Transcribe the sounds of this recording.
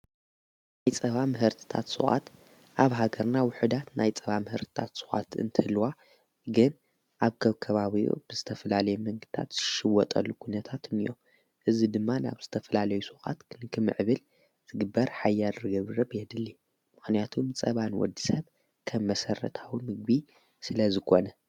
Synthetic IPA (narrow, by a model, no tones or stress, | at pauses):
najt͡sʼɐβamɨɦɨɾt̪ʰɨ̥t̪ʰa̰t̪sɨ̰xʼa̰t̪ | ʔaβɦaɡɐɾnawʊħɨd̪at̪najt͡sʼɐβamɨhɨɾt̪ʰɨ̥t̪ʰat̪sɨxʼa̰t̪ɨ̰nt̪ʰɨhɨlːwa | ɡɨn | ʔaβkʰɐβkʰɐβaβiʔṵb̥ɨzɨt̪ʰɐfɐlalɐjɛmɐŋɡɨ̥t̪ʰa̰t̪z̥ɨʃɨwɔt̪ʼɐlːukʰunɐt̪ʰat̪ʰɨmijo̰m | ʔɨzid̪ɨmːana̰βz̥ɨt̪ʰɐfɐlalɐjusuxʼa̰t̪kʰnɨkʰɨmɨʕβɨl | z̥ɨɡɨbːɐɾħajːalɾɨɡɐβɨɾɐbjɛd̪ɨlːi | mɨxnijat̪ʰumt͡sʼɐβanwɔ̰d̪ːisɐβ | kʰɐmːɐsɐrːɐ̰t̪ʰawimɨɡ̚bi | sɨlɐzɨkʰo̞nɐ